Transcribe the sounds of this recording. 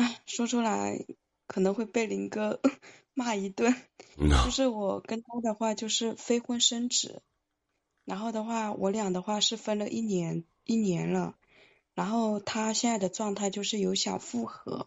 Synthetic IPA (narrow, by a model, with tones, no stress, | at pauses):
a˥˩ʂwɔ˥ʈ͡ʂʰu˥la˧˥ɪ | kʰɤ˨˩nɤ˧˥ŋxwe˥˧ɪpe˥˩ɪlə˧˩i˧˥kɡə˥˧ | ma˥˩i˧˥t̪wə˥˩nt͡ɕjo˥˧ʊʂɻ̩˥˩wɔ˨˩kə˥nt̪a˥d̪ə˨xwa˥˧t͡ɕjo˥˧ʊʂɻ̩˥˩fe˥ɪxwə˥nʂə˥nʈ͡ʂɻ̩˨˩˦ | ɻa˧˥nxo˥˩ʊd̪ə˩xwa˥˩wʔɔ˧˥ljɑ˨˩ŋd̪ə˦xwa˥˧ʂɻ̩˥˩fə˥nlə˨ʔi˥˩njɛ˧˥n | i˥˩njɛ˧˥nlə˧ | ɻa˧˥nxo˥˩ʊt̪ʰa˥ɕjɛ˥˧nt͡sa˥˩ɪd̪ə˩ʈ͡ʂwɑ˥˧ŋt̪ʰa˥˧ɪt͡ɕjo˥˧ʊʂɻ̩˥˩jo˧˥ʊɕjɑ̰˨˩ʊfu˥˩xɤ̰˧˥